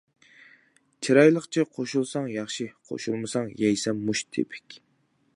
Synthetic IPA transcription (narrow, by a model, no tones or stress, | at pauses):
t͡ʃʰiɾɑjlˠəχt͡ʃʰiqʰoʃulˠsɑŋjɑχʃiqʰo̰ʃulˠmɨsɑŋjɛjsɛmːuʃt̪ʰḛpʰɪ̥kʲ